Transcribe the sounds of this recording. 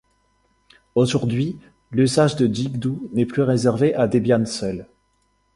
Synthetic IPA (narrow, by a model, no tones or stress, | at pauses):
oʒuʁd̪ɥi | lysaʒd̪əd̪iɡd̪unɛplyʁezɛʁveʔad̪ebjansœl